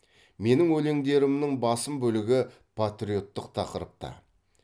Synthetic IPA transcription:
me̞nɪŋwɵle̞ŋd̪e̞ɾɪmnɪŋbɑsəmbɵlɪɡʲɪ | pʰat̪ɾijo̞t̪ːəqt̪ʰɑqəɾəp̚t̪ɑ̰

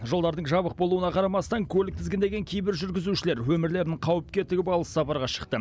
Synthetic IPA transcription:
ʒo̞lˠd̪ɑɾd̪əɴʒɑbəq̚bo̞lˠuwənɑqʰɑɾɑmɑst̪ɑŋkʲʰɵlɪk̚t̪ʰɪzɡʲend̪e̞ɡʲe̞ŋkʲʰejbɪɾʒʏɾɡʲɪzuʃɪle̞ɾwɵmɪɾle̞ɾɪnɪɴqʰɑwəp̚kʲe̞t̪ːɪɡʲɪbɑlˠəsɑpɑɾʁɑʃə̥qt̪ə

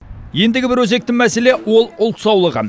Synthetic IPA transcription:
je̞nd̪ɪɡʲɪbɪɾwɵze̞k̚t̪ɪŋmæse̞le̞wo̞lˠʊlˠt̪sɑwlˠəʁə

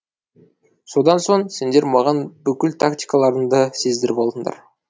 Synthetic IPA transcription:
so̞d̪ɑnso̞ɴse̞nd̪e̞ɾmɑʁɑnbʏkʲɪlt̪ʰakt̪ʲijkalˠɑɾənd̪əse̞zd̪ɪɾbo̞lˠd̪əɴd̪ɑ̰ɾ

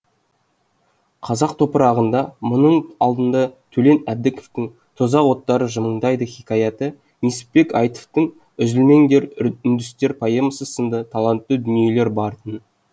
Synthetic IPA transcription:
qʰɑzɑq̚t̪ʰo̞pəɾɑʁənd̪ɑmʊnəɴɑlˠd̪ənd̪ɑt̪ʰɵle̞næb̚d̪ɪkoft̪ɪŋ | t̪ʰozɑqwo̞t̪ːɑɾəʒəməɴd̪ɑjd̪əχikɑjɑt̪ə | misɪ̥ppe̞kɑjt̪o̥ft̪əɴ | ʏzɪlme̞ŋd̪eɾʏnd̪ʏst̪e̞ɾpʰɑjəməsəsənd̪ət̪ʰɑlˠɑnt̪ːəd̪ʏnije̞le̞ɾbɑɾt̪ən

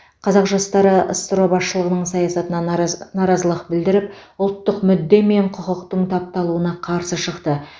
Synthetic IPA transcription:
qʰɑzɑqʒɑst̪ɑɾəʔə̰st̪əɾobɑsʃəlˠəʁənəɴsɑjɑsɑt̪ənɑnɑɾɑzəlˠəqbɪld̪ɪɾɪpʊlˠt̪ːəqmʏd̪ːe̞me̞ɴqʰʊqəqt̪əɴt̪ʰɑp̚t̪ɑlˠuənɑqʰɑɾsəʃəqt̪ə

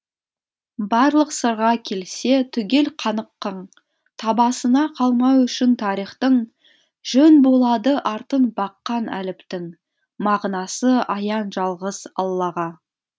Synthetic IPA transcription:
bɑɾlˠəqsəɾʁɑkʲʰe̞lse̞t̪ʰʏɡʲe̞lqʰɑnəqːəɴ | t̪ʰɑbɑsənɑqʰɑlˠmɑwʏʃɪnt̪ʰɑɾijχt̪əɴ | ʒ̥ɵnbo̞lˠɑd̪əʔɑɾt̪ənbɑqːɑnæ̰lɪpt̪ɪŋ | mɑʁnɑsəɑjɑnʒɑlˠʁəzɑ̰lˠːɑʁɑ

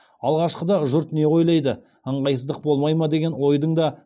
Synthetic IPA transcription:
ɑlˠʁɑʃqəd̪ɑʒʊɾt̪ne̞wo̞jlˠɑjd̪ə | əɴʁɑjsəzd̪əq̚bo̞lˠmɑjmɑd̪e̞ɡʲe̞nwo̞jd̪əɴd̪ɑ

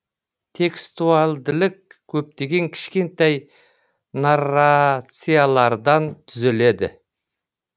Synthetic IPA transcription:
t̪ʰe̞kst̪ualˠd̪ɪlɪkʲʰː | ɵp̚t̪e̞ɡʲe̞ŋkʲʰɪ̥ʃkʲe̞nt̪ɑj | narːat̪sijalˠɑɾd̪ɑnt̪ʰʏzele̞d̪ɪ̰

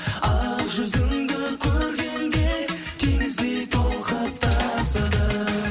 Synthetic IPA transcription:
ɑlˠʒʏzɪŋd̪ɪkʲʰɵɾɡʲe̞ŋɡʲe | t̪ʰeŋɪzd̪e̞jt̪ʰolˠqɑp̚t̪ʰɑsɑd̪ə

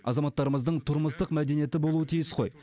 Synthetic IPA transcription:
ɑ̰zɑmɑt̪ːɑɾəməzd̪əɴt̪ʰʊɾməst̪əqmæd̪e̞nije̞t̪ɪbo̞lˠuət̪ʰijɪsqʰo̞̰j

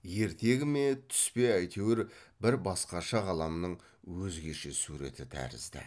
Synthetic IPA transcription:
je̞ɾt̪e̞ɡʲɪme̞t̪ʰʏ̥spe̞æjt̪ʰe̞wɪɾbɪɾbɑsqɑʃɑʁɑlˠɑmnəɴ | wɵzɡʲe̞ʃe̞suɾe̞̰t̪ɪt̪ʰæ̰ɾɪ̰zd̪ɪ̰

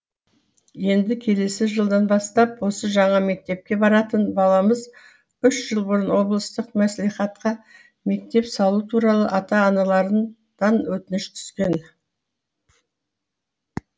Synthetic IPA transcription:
je̞nd̪ɪkʲʰe̞le̞sɪʒəlˠd̪ɑnbɑst̪ɑpwo̞səʒɑɴɑme̞k̚t̪e̞p̚kʲe̞bɑɾɑt̪ənbɑlˠɑməz | ʏʃʒ̥əlˠbʊɾənwo̞blˠəst̪əqmæsliχɑt̪qɑ | me̞k̚t̪e̞psɑlˠut̪ʰuɾɑlˠəʔɑt̪ɑːnɑlˠɑɾən | d̪̥ɑnwɵt̪ɪnɪʃt̪ʰʏ̥z̥kʲe̞n

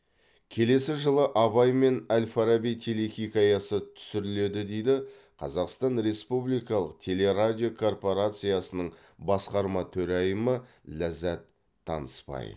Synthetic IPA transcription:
kʲʰe̞le̞sɪʒəlˠəʔɑβɑjme̞nælfaɾabijt̪ʰe̞le̞xʲijkʲɑjɑsət̪ʰʏ̥sɪɾɪle̞d̪ɪd̪e̞jd̪ɪ | qʰɑ̰zɑqst̪ɑnɾe̞spublijkɑlˠəq̚t̪ʲʰe̞le̞ɾadʲio̞kʰo̞rpo̞ɾat̪sɨjɑsənəɴ | bɑsqɑɾmɑt̪ʰɵɾɑjəmə | læzæt̪ʰː | ɑ̰nəspɑ̰j

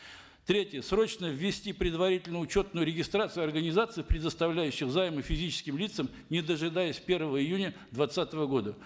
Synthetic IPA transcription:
t̪ɾʲetʲjəsɾo̞t͡ɕnəvʲːɪsʲtʲipɾʲɪd̪vɐɾʲitʲɪlʲnəʊt͡ɕo̞t̪̚nʊjʊɾʲɪɡʲɪst̪ɾat̪sɨjʊɐrɡənʲɪzat̪sɨɪpɾʲɪd̪əst̪ɐvlʲæjʉɕːɪxzajməfʲɪzʲit͡ɕɪ̥skʲɪmlʲit̪səm | nʲɪd̪əʐɨd̪ajəsʲpʲe̞rvəvəɪjunʲəd̪vɐt̪sat̪əvəɡo̞d̪ə

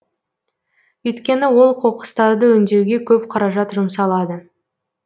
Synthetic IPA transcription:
ʏjt̪kʲe̞nɪwo̞lˠqʰo̞qə̥st̪ɑɾd̪əɵnd̪e̞wɡʲe̞kʲʰɵpqʰɑɾɑʒɑt̪ʒʊmsɑlˠɑd̪ə

